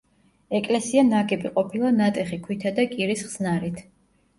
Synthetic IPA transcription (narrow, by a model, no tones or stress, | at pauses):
ɛkʼlɛsianaɡɛbiqʼɔpʰilˠanat̪ʼɛχikʰwit̪ʰad̪akʼiɾisχz̥naɾit̪ʰ